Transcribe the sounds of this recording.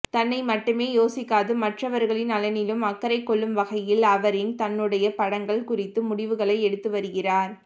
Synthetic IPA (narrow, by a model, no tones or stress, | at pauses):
t̪ɐnːɐɪmɐʈːɯmeːjoːsɪkːaːðɯmɐʈrɐʋɐɾɣɐɭɪnɐlɐnɪlɯmɐkːɐɾɐɪkːɔɭːɯmʋɐɣɐjɪlɐʋɐɾɪnt̪ɐnːɯɽɐjɐpɐɽɐŋɡɐɭkʊrɪt̪ːɯmʊɽɪʋɯɣɐɭɐɪɛɽɯt̪ːɯʋɐɾɯɣɪraːɾ